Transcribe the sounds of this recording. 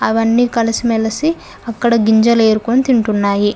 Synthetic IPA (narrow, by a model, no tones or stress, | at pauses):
ɐʋɐnːiːkɐlɐsimɛlɐsi | ɐkːɐɽɐɡiɲd͡ʒɐle̞ːɾukonit̪iɳʈunːaːji